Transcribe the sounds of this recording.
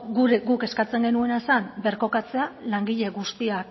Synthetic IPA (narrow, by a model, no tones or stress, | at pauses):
ɡuɾeɡuke̞skat͡se̞ŋɡenue̞nasambe̞ɾko̞kat͡se̞alaŋɡiʎe̞ɣust̪iak